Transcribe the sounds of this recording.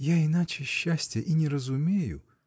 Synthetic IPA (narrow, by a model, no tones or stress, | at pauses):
jaɪnat͡ɕɪɕːæsʲtʲjəʔinʲɪɾəzʊmʲejʊ̰